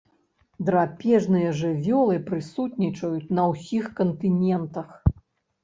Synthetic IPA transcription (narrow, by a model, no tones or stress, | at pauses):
d̪ɾapʲɛʐnɨjɐʐɨvʲɔlˠɨpɾɨsut̪nʲit͡ʂɐjut͡sʲnɐwsʲixkɐnt̪ɨnʲɛnt̪ɐx